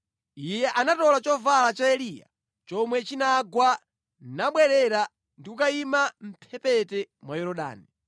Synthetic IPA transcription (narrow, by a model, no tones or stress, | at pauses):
ijɛʔanatɔlat͡ʃɔvalat͡ʃaɛliːja̰ | t͡ʃɔmwɛt͡ʃinaɡwa | naɓwɛɾɛɾa | ndiukaimam̩pʰɛpɛtɛmwajɔɾɔɗa̰ːni